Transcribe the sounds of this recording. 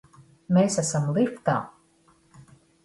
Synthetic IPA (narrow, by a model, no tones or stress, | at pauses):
meːsasamlˠift̪a̰ː